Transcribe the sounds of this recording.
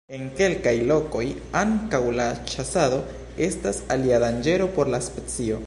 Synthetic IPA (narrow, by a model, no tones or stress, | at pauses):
e̞ŋke̞lkajlo̞ko̞j | aŋkawlat͡ʃasado̞ | e̞stasaliadand͡ʒe̞ɾo̞po̞ɾlaspet͡sio̞